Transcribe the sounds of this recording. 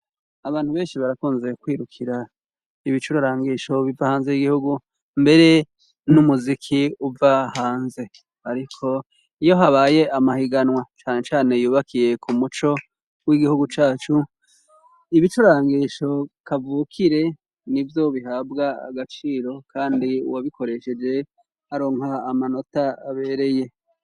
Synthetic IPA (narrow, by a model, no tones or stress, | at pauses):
aβaːn̥huβe̞ːnʃiβaɾakuːnzekwiːɾukʰiɾa | iβit͡ʃuɾaɾaːŋɡiʃo̞βivahaːnzejiɡihuɡu | mbe̞ɾe̞ | numuzikʰiuvahaːnze̞ | aɾikʰo̞ | ijo̞ɦaβaːje̞amahiɡanwat͡ʃaːne̞t͡ʃaːne̞juːβakije̞kʰumut͡ʃo̞ | wiɡihuɡut͡ʃaːt͡ʃu | iβit͡ʃoɾaːŋɡiʃo̞kavuːkʰiɾe̞ | nivjo̞βiɦaːbɡaa̰ɡat͡ʃiːɾo̞kʰaːndḭwaβiko̞ɾe̞ʃe̞d͡ʒe̞ | haɾo̞ŋhaːmano̞taaβe̞ɾe̞je̞